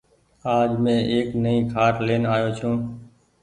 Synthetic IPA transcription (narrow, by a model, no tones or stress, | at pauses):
aːd͡ʒmẽːʔeːknəĩːkʰaːɾleːnaːjoːt͡ʃʰũː